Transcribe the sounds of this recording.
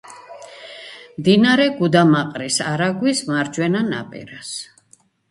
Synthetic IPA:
md̪inaɾɛɡud̪amaqʼɾisaɾaɡwismaɾd͡ʒwɛnana̰pʼɛ̰ɾas

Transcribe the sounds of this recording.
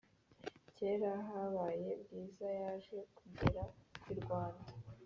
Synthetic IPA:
ce̞ːɾaɦaβaːje̞bɡiːzajaːʒe̞kumdeɾakiɾɡwaːndḁ

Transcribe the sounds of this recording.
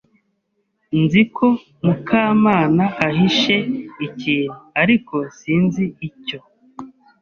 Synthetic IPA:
nzikʰo̞ | mukʰaːmaːnaaɦiʃe̞iciːnuaɾiko̞siːnziːco̞

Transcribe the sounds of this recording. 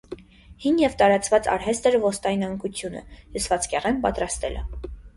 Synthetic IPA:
hinjɛvt̪ɑɾɑt͡svɑt͡sɑ̰ɾɦɛst̪ɛɾvɔst̪ɑjinɑŋkʰut͡sʰjunə̰jusvɑt͡skɛʁɛnpɑt̪ɾɑst̪ɛlʔə̰

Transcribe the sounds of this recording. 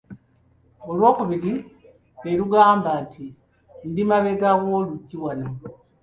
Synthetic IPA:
o̞lwo̞ːkuβiɾi | neluɡaːmbaːntʰi | ndimaβe̞ɡaɣo̞ːluɟːiwano

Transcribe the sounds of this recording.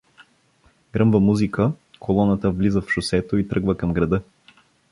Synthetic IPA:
ɡɾɤmvəmuzikəkʰolˠɔnət̪əvlizəfʃʊsɛt̪oit̪ɾɤɡvəkɐmɡɾɐd̪ɤ

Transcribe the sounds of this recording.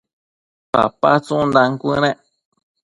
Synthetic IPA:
pa̰pat͡sũnd̪ãŋkʷɨ̃ɾ̃ẽʔ

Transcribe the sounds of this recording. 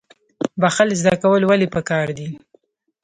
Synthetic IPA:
baxalzd̪akawəlwalipəkɑɾd̪i

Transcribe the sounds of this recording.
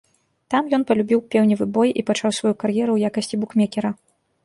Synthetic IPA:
t̪amjɔn̪pɐlʲubʲiwpʲɛwnʲivɨbɔjʔipat͡ʂawsvajukarjɛɾuwjakɐsʲt͡sʲibukmʲɛkʲɛɾɐ

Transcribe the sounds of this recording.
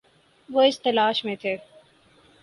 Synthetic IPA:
ʋoɪst̪ɐlaːʃmẽt̪ʰeː

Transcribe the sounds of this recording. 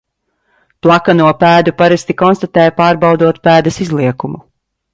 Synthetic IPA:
plˠakanuɔpæːd̪upaɾɛsʲt̪ikɔnst̪at̪ɛːjpaːɾbawd̪uɔt̪pæːd̪ɐsizlˠiɛkumu

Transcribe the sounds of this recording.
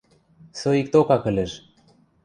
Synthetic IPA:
soik̚t̪okɑkɘ̆lʲĕʃ

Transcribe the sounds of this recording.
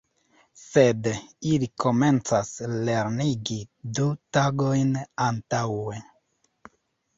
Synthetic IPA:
se̞dilikʰo̞me̞nt͡sasle̞ɾniɡidutaɡo̞jnantawe̞

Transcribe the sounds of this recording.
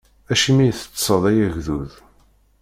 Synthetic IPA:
æʃimijθə̥t͡sːsˤəðˤæjæʝðuð

